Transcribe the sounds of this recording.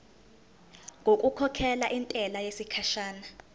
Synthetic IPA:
ŋɡʱokʼukʰɔkʰɛlaʔintʼɛlajesikʰaʃaːna

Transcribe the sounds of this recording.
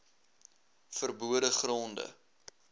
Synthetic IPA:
fərbuədəχrɔndə̰

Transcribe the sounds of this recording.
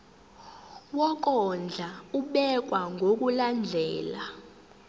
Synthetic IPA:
wɔk̬ɔnd͡ɮʱauɓɛk̬waŋʱok̬uland͡ɮʱɛːla

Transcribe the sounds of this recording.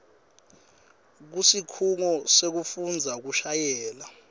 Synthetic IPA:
k̬usikʰuŋɔsek̬ufund͡zʱak̬uʃajɛːla

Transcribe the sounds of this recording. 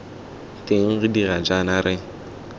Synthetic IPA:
teŋ̩ɣɪdiɣad͡ʒanaɾʔɪ

